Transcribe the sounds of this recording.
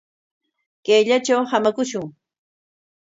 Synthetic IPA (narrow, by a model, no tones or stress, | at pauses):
kejʎat͡ʃawhamakʊʃʊŋ